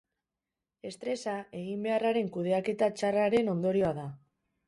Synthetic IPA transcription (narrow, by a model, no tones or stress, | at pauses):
e̞st̪ɾe̞sae̞ɣimbe̞araɾe̞ŋkuð̞e̞ake̞t̪at͡ʃaraɾe̞no̞nd̪o̞ɾio̞aða